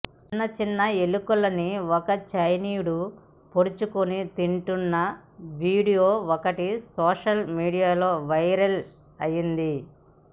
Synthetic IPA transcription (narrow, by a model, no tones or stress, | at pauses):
t͡ʃinːɐt͡ʃinːɐe̞lukulɐniɔkɐt͡ʃɐjniːjuɽu | poɾut͡ʃukunit̪iɳʈunːɐʋiːɽijoːɔkɐʈisɔːʂɐlmiːɽijaːlo̞ːʋɐjɾɐl | ɐjind̪i